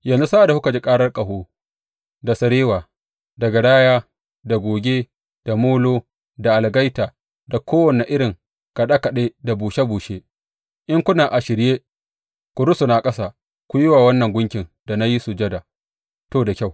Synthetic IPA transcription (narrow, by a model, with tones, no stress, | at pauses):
jɐ˨nzu˦saː˦ʔa˨da˨hu˦kɐ˨d͡ʒe˦kʼaː˦ɽɐ˦rkʼɐ˨hoː˦ | da˨sɐ˨ɾeː˦waː˨ | dɐ˨ɡa˨ɽaː˦jaː˦ | da˨ɡʷoː˨ɡʲeː˦ | d̥a˨moː˦loː˦ | da˨ʔa˨lɡa˦jtaː˨ | da˨kʰʷoː˦wɐ˨ne˨ʔɪ˦ɽɪ˨ŋ | ka˨ɗa˦kɐ˨ɗeː˦da˨buː˨ʃe˦buː˨ʃe˦ | ʔɪ˦ŋkʷʊ˦naː˨ʔa˨ʃɪ˨ɾjeː˦ | kʷʊ˨ɽʊ˦sʊ˨naː˨kʼɐ˦sa˨ | kʷʊ˦jɪ˦waː˨wɐ˦nːɐ˨ŋɡʷʊ˦ŋkʲɪ˨ŋda˨na˦ji˦su˨d͡ʒɐ˦da˨ | toː˦da˨kʲa˦˨w